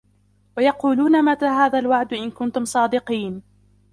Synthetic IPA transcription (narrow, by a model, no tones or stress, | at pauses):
wajɑquːluːnamat̪aːɦaːðalwaʕd̪ʔɪnkʊnt̪ʊmsˤɑːd̪ɪqiːn